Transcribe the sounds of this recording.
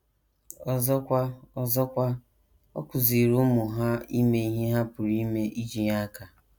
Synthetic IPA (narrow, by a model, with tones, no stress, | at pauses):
ɔ˨zɔ˦kʷa˦ɔ˨zɔ˦kʷa˦ | ɔ̰˦kʷʊ˨zi˨ɾu˦mʊ˨ɦa˦i˦me˦i˦ɦe˦ɦa˦pʊ˨ɾi˦me˦ʔi˦d͡ʒi˦ɲa˦a˦ka˨